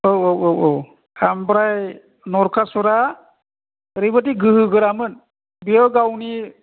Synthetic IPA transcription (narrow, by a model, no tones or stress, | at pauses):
owowowʔow | kʰambɾaj | nɔɾkʰasuɾa | ɾibatiɡɯɦɯɡɯɾamɯn | biɔɡawni